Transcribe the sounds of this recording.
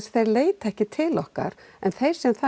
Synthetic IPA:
sθejɾleːjt̪ɛhcɪt̪ʰɪlɔhka̰ɾ | ɛnθejɾ̥sɛmθa

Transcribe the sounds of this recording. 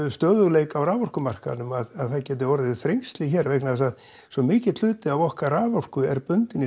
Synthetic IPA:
st̪œːðʏɣleːjkawɾaːvɔr̥kʏmar̥ka̰nʏmaðaðθaðcɛːt̪̬ɪɔɾɪðɪθɾejŋst̪lɪçɛɾvɛhknaðsað | sɔmɪːcɪt̪ʏːt̪ɪavɔhkaɾaːvɔr̥kʏɛɾpʏnt̪ɪnːɪ

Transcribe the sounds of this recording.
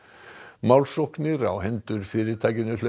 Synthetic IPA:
mawlsoknɪɾa̰wɦɛnt̪ʏɾ̥fɪːɾɪt̪ʰajkɪnʏlœ

